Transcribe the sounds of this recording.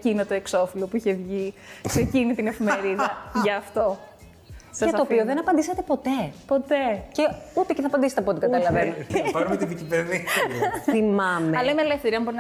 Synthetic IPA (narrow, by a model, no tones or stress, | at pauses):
cinot̪oekso̞filopuiçevʝikse̞cinit̪ine̞fimeɾiðɐʝɐːft̪o̞ | sɐɐstoːioðenɐpɐnd̪iset̪epo̞t̪epo̞t̪e̞ceut̪eceθɐpɐnd̪iset̪ɐpot̪eɡɐt̪ɐlɐvenipɐɾumet̪iðicipeɾðiθimɐmeɐlemelefθeɾiɐnmboɾin